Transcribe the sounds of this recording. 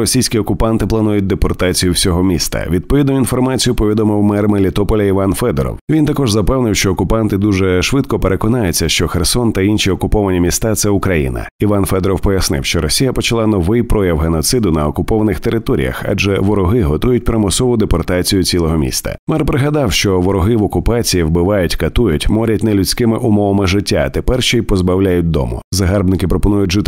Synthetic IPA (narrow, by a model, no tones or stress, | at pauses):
ɾɔsʲijsʲkʲiɔkʊpant̪ɪplˠɐnujʊt̚ʲd̪epɔrt̪at͡sʲijʊwsʲɔɦɔmʲḭst̪ɐ̰ʋʲid̪̚pɔʋʲid̪nʊinfɔrmat͡sʲijʊpɔʋʲid̪ɔmɪwmɛrmelʲit̪ɔpɔlʲɐiʋanfɛd̪ɔɾɔ̰wʋʲint̪ɐkɔʒzɐpɛwnɪwʃt͡ʃɔɔkʊpant̪ɪd̪uʒɛʃʋɪd̪kɔpeɾʔekɔnajʊt͡sʲːɐʃt͡ʃɔxersɔnt̪ɐinʃʲiɔkʊpɔʋɐnʲimʲist̪at̪sɛʊkɾɐjḭnɐ̰ | iʋanfɛd̪ɾɔwpɔjɐsnɪ̰wʃt͡ʃɔɾɔsʲijɐpɔt͡ʃɐlˠanɔʋɪjpɾɔjɐwɦenɔt̪sɪd̪ʊnɐɔkʊpɔʋɐnɪxt̪eɾɪt̪ɔɾʲḭjɐ̰xa̰d͡ʒɛʋɔɾɔɦɪɦɔt̪ujʊt̚ʲpɾɪmɔsɔʋʊd̪epɔrt̪at͡sʲijʊt͡sʲilˠɔɦɔmʲḭst̪ɐ̰mɛrpɾɪɦɐd̪ɑwʃt͡ʃɔʋɔɾɔɦɪʋɔkʊpat͡sʲijiwbɪʋajʊtʲkɐt̪ujʊtʲmɔɾʲɐtʲnɛlʲʊt͡sʲkɪmɪʔʊmɔʋɐmɪʒɪtʲːat̪epɛrʃt͡ʃɔipɔzbɐwlʲajʊt̚ʲd̪ɔ̰mʊ̰zɐɦarbnɪkɪpɾɔpɔnujʊtʲʒɪt̪